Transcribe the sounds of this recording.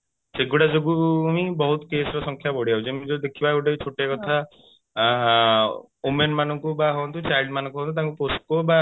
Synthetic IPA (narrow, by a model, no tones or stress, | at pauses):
seɡuɽad͡ʒoɡuːmibɔɦut̪kesɾɔsɔŋkʰjabɔɽiaut͡ʃʰimid͡ʒod̪ekʰibaeɡuʈat͡ʃʰoʈakɔt̪ʰa | umenmanɔŋkubaɦɔnt̪ut͡ʃajlɖmanɔ̃ŋkuɦõnut̪aŋkuposʈ̚koba